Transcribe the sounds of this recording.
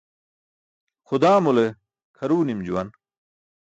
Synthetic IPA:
xʊd̪aːmule | kʰɐɾuːnimd͡ʑuwɐn

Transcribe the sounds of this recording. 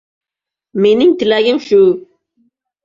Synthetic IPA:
menɪŋt̪ɪlæɡʲɪŋʃu

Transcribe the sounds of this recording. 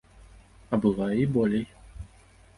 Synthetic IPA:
ɐbɨvajibɔlʲej

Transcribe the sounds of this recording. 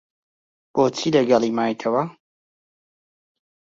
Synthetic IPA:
b̥oːt͡sʰiːlɐɡɐlˠimaːjit̪ʰɐwɐ

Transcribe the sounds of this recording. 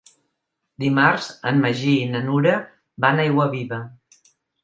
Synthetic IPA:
d̪imaɾzənməʒiːnənuɾə | banajɣwəβiβə

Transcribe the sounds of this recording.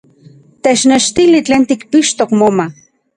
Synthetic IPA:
t̪et͡ʃneʃt̪ilit͡ɬeːnt̪ikpiʃt̪okmoma

